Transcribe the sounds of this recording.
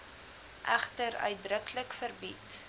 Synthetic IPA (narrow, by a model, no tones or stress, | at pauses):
ʔæχtəɾœ̰ɥt̚drəkləkfərbit